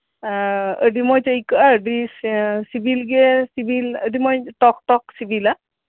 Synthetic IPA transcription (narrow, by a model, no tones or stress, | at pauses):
ədimojtaikaədissibilɡɛsibilədimojtɔk̚tɔk̚sibila